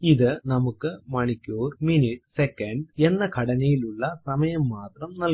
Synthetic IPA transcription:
iðɨnɐmukːɨmɐɳikʲːoːrminiʈsekːɐɳɖe̞nːɐkʰɐɽɐnɐjiluɭːɐsɐmɐjɐmːaːt̪rɐmnɐl

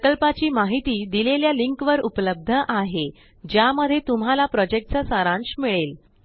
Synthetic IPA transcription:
kəlpat͡ɕiːmaɦit̪iːd̪ileljaliŋkʋəɾupləb̚d̪ʱəʔaɦe | d͡ʑjaməd̪ʱːjet̪um̤alapɾɔd͡ʑek̚ʈt͡sasaɾãnɕmiɭel

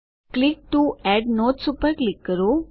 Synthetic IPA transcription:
klik̚ʈuɛɖnotsupəɾklɪkːəɾo

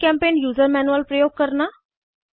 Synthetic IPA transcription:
kɛ̃ːmpeːnjuːzəɾmɛːnuəlpɾəjoːɡ̚kəɾnaː

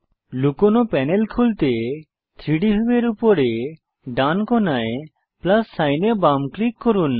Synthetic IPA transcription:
lukonopɛnelkʰult̪e | t̪ʰɾiɽibʱibeɾupoɾe | ɖankɔnae | plasːajnebamklikːoɾun

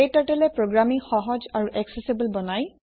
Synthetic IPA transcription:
etatɛlɛpɹoɡɹamixɔɦɔd͡ʒaɹuʔɛksesibulbɔnaj

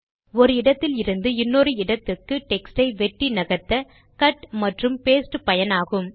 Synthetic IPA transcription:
ɔɾɯɪɽɐt̪ːɪlɪɾɯnd̪ɯɪnːɔɾɯɪɽɐt̪ːɯkːɯʈɛksʈɐɪʋɛʈːinɐɣɐt̪ːɐ | kɐʈmɐʈrɯmpeːsʈɯpɐjɐnaːɣɯm

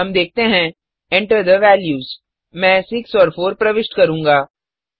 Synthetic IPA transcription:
ɦɐmd̪eːk̚ʰt̪eɦɛ̃ | ɛ̃ɳʈəɾd̪əʋɛːljuːz | mɛ̃ːsɪksɔːɾfoːɾpɾɐʋɪʃʈkɐɾũːŋɡaː

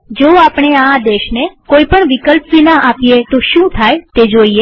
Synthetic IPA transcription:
d͡ʒoapɳ̃ead̪eʃnekoipəɳʋikəlpʋinaʔapjet̪oʃũt̪ʰajt̪ed͡ʒoie

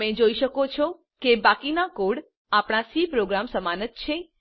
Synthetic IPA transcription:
mẽd͡ʒoiʃəkot͡ʃʰo | kebakinakoɽ | apɽ̃asipɾoɡɾamsəmanət̪̚t͡ʃʰe

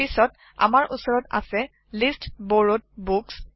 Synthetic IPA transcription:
isɔt | a̰maɹʔusɔɹɔta̰sɛ | listboɹot̚buks

